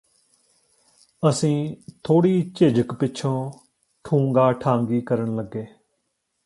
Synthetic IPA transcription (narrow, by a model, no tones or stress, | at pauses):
əsĩːt̪ʰoːɽiːt͡ʃeːd͡ʒəkpɪːʃʰõː | ʈʰũːŋɡaːʈʰãːŋɡiːkəɾəɳləɡːeː